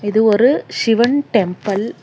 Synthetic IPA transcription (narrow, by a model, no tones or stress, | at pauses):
ɪðɯɔɾɯsɪʋɐɳʈɛmpɐl